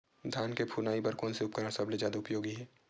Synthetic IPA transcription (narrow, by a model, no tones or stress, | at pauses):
d̪ʱjaːnkepʰuːnaːipɐɾkɔːnsiʊp̚kəɾəɽ̃sɐbled͡ʒaːd̪aʊpjoːɡiɦɛː